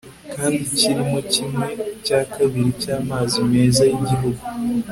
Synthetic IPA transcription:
kaːndiciɾimocimŋe̞caːkaβiɾicaːmazime̞ːzajiɟiɦuɡu

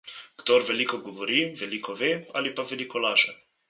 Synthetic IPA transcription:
kt̪oɾvelikoɡovoɾivelikʰovea̰lipavelikolaʃa

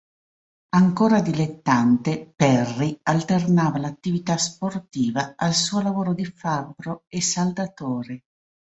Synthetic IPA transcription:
aŋkoːɾad̪ilet̪ːant̪epɛrːialt̪ernaːvalat̪ːivit̪asport̪iːvaalsuːolavoːɾod̪ifabɾoesald̪at̪oːɾe

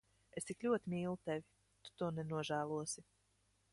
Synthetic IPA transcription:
est̪iklʲuɔt̪imiːlˠut̪ɛvʲi | t̪u̥t̪uɔnɛnuɔʒæːlˠuɔsi

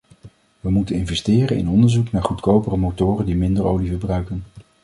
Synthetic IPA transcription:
ʋəmutənɪnvɛstɪːrənɪ̰nɔndəɹzuknaːɹχutkowpərəmotʊːrəndimɪndəɹowlivəbrœɥkən

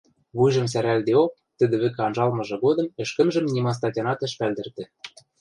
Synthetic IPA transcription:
βujʒɤ̆ms̬æɾæld̪eok̚t̪ɘ̆d̪ɘ̆βɘ̆keɑnʒɑlmɤ̆ʒɤ̆ɣod̪ɤ̆mɘ̆ʃkə̆mʒə̆mnʲimɑs̬t̪ɑtʲɑnɑt̪ɘ̆ʃpæld̪ɘ̆rt̪ɘ̆

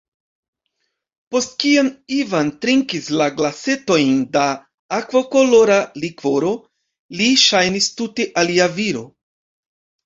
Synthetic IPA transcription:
po̞st̚kionivantɾiŋkislaɡlase̞to̞jndaː | kvoko̞lo̞ɾalikvo̞ɾo̞ | liʃajnistute̞ʔaliaviɾo̞

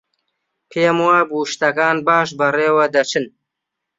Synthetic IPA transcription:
pʰeːmwaːbuʃt̪ɐkɑːnbɑːʃ̬bɐreːwɐd̪ɐt͡ʃʰɨn

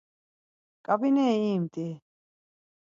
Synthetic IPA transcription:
kʼabinɛiːmt̪ʼi

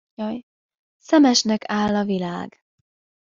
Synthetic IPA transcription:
ɒj | sɛmɛʃnɛkaːlːɒvilaːɡ̥

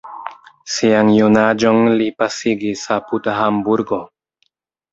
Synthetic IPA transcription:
siaŋjunad͡ʒonlipasiɡisaputaɦambuɾɡo

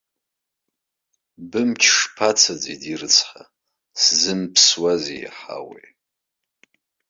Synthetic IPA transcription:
bɨmt͡ʃʲʰʂpʰat͡sʰad͡zidirɨt͡sʰħa̰ | szɨmpʰswazij̰ħa̰wḛj

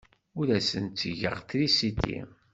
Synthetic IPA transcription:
ʊɾæsənt͡s̪ːəʝə̰ʁθɾisit̪ːḭ

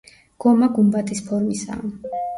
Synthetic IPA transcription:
ɡ̥ɔmaɡumbat̪ʰispʰɔɾmisa̰ː

